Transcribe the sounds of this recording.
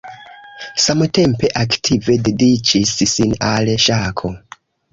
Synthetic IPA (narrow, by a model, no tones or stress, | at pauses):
samte̞mpe̞ʔaktʰive̞de̞dit͡ʃissinalʃakʰo̞